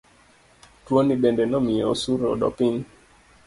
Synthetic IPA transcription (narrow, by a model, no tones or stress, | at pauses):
tuɔniɓɛndɛnɔmiɔsuɾɔ̰ɗɔ̰piŋ